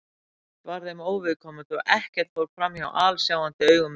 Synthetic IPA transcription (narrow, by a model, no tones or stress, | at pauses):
t̪vaɾðemoːwvɪðkʰɔːmʏt̪ɔɣɛhcɛɾ̥t̪fvowɾ̥fɾamjawʔaːlsjaːwant̪ɪœːɥɣʏm